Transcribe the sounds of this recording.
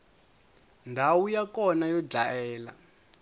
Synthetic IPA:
ndʱawujakɔnajɔd͡ɮaɛːla̰

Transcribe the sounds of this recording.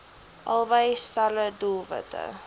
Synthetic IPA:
ʔɐlˠvəjstalədulˠvə̰tʰə̰

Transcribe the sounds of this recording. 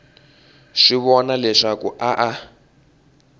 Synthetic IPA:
ʂiβɔnalɛʂakuʔaʔa

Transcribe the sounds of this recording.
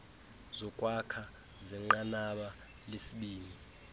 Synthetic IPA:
zɔkʼwakʰa | zɛŋ͡ǃanaɓa | lesiɓiːni

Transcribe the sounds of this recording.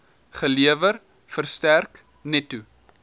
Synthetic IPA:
χəliəvər | fərstærk | nɛtːu

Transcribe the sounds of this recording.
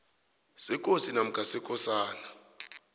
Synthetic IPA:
sɛkʼosinam̩kʼasɛkʼɔsaːna

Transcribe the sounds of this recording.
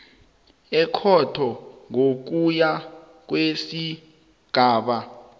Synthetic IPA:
ɛkʰɔtʰɔŋok̬uja | k̬wesi | ɡ̥ʱaːɓa

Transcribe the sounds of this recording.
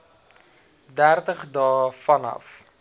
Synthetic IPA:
dærtəχdɑːfɐnɐ̰f

